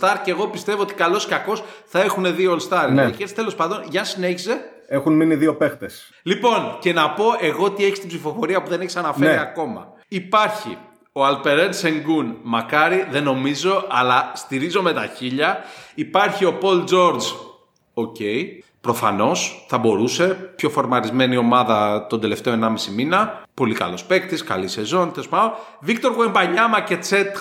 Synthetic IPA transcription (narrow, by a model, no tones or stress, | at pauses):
t̪ɐɾceɣo̞pist̪e̞voot̪ikɐlo̞scɐko̞sθɐe̞xune̞ðiolst̪ɐɾeçeɾst̪e̞lo̞spɐnd̪o̞nʝɐnsine̞çise̞ | exunminiðio̞pext̪es | lipo̞nce̞nɐpo̞ʔe̞ɣo̞ot̪ie̞çist̪ibzifo̞fo̞ɾiɐpuðe̞neçi̥sɐnɐfeɾiɐko̞mɐ̰ | ipɐɾçḭ | o̞ɐlpe̞ɾense̞ŋɡunmɐkɐɾiðe̞no̞mizo̞ɐlɐst̪iɾizo̞me̞t̪ɐçiʎɐipɐɾçio̞po̞ld͡zo̞ɾd͡z | o̞ce̞i | pɾo̞fɐno̞sθɐbo̞ɾuse̞pço̞fo̞ɾmɐɾizme̞nio̞mɐðɐt̪ond̪e̞le̞ft̪eo̞enɐmisiminɐpo̞likɐ̰lo̞spe̞k̚t̪iskɐ̰lise̞zo̞nt̪espɐo | vikt̪o̞ɾɣuembɐɲɐmɐce̞t͡set̪